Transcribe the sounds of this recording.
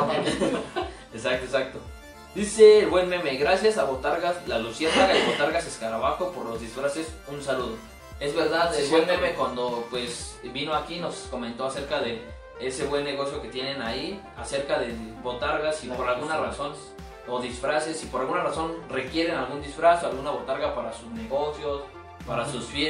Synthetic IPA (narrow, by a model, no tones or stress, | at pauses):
esak̚t̪oesak̚t̪o̞ | d̪iseːlβwe̞nme̞me̞ɣɾasjasaβo̞t̪aɾɣaslalusiasaɣaeβo̞t̪aɾɣaseskaɾaβaxo̞po̞ɾlo̞zðisfɾase̞sunsaluð̞o̞ | e̞zβe̞ɾðaðelβwenmemekwand̪o̞pwe̞sβinoakino̞sko̞ment̪o̞ase̞ɾkaðe̞ | ese̞βwe̞nːe̞ɣ̞o̞sjo̞ke̞t̪je̞ne̞nai | ase̞ɾkaðe̞bo̞t̪aɾɣasipo̞ɾalɣunaraso̞n | oðisfɾase̞sipoɾalɣunaraso̞nre̞kje̞ɾe̞nalɣund̪isfɾasoalɣunaβo̞t̪aɾɣapaɾasuzne̞ɣo̞sjo̞s | paɾasusfje